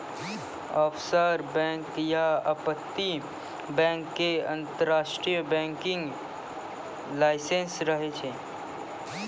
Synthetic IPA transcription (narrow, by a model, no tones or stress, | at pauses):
ɔːpʰsəɾbɛ̃ːŋkjaəpət̪ːi | bɛ̃ːŋkːeə̃nt̪əɾaːʃʈɾijəbɛ̃ːŋkɪ̃ŋɡ | laːɪsẽnsɾəɦet͡ʃʰeː